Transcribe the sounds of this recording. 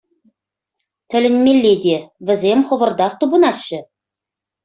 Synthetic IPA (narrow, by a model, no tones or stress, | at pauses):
t̪ʰɘ̆lʲɘ̆nmʲelʲːed̪evɘ̆zemχŏβə̆rd̪ɑq̚t̪ubə̆nɑɕːə